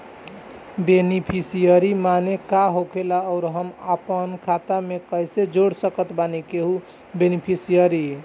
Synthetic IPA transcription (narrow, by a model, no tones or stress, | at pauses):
benipʰisijəɾimanekaɦokʰelaɔʊɾɦəməpənkʰat̪amekəjsed͡ʒoɽsəkət̪banikeɦu | benipʰisijəɾi